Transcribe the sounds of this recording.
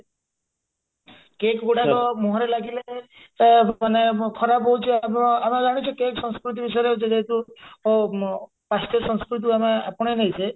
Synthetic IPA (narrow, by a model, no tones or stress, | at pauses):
kekɡoʈatɔmɔɦɔɾelaɡile | manekʰɔɾabɔɦut͡ʃʰimamad͡ʒaɽ̃it͡ʃʰɔkeksɔ̃skɾut̪̬ibisɔjɾed͡ʒed̪et̪u | past̪ɔsɔ̃nskɾut̪̬iamaa̰pɔɽ̃enejsʰe